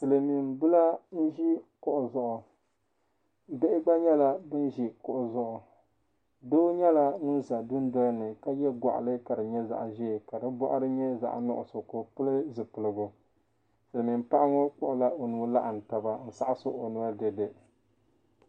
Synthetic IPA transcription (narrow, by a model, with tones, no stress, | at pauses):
sɨ˨lɨ˨mi˨mbɨ˦la˦n̩˦ʒi˦kʊ˨ʔʊ˨zʊ˦ʔʊ˨˦ | be˦ʔɪ˦ɡ͡ba˦ɲɛ˦la˦bɨ˦n˦ʒi˦kʊ˨ʔʊ˨zʊ˦ʔʊ˨ | doː˦ɲɛ˦la˦nʊ˦n˦za˨dʊ˦n˦dɔ˦lnɨ˨ka˦jɛ˦ɡʷa̰˨ʔa̰˨lɨ˦ka˨dɨ˨ɲɛ˦za̰˨ʔʒɛ˦˨ka˨dɨ˦bɔ˦ʔa˦ɾɨ˦ɲɛ˦za̰˨ʔnʊ̰˦ʔʊ˨sʊ˨ko˨pɨ˦lɨ˦zɨ˨pɨ˨lɨ˨ɡʊ˨ | sɨ˨lɨ˨mi˨mpa˦ʔa˦ŋɔ˦k͡pʊ˨ʔʊ˨la˦o˨nu˨˦la˦ʔa˨n̩˨ta˨ba˨n̩˦sa˦ʔa˦sʊ̰˦o˨nu˨˦a˦de˨dɨ˨